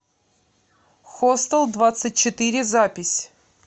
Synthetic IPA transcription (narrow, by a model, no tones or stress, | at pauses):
xost̪əlˠd̪vat̪sɨt̚ʲt͡ɕɪt̪ɨɾʲɪzapʲɪsʲ